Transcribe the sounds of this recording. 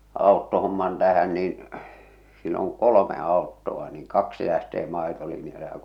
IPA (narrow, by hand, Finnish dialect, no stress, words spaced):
ɑˑotːohomːɑn tæhæn niːn silː oŋ kolome ɑˑotːoɑ niːŋ kɑksi læhteː mɑˑetolinjɑle jɑ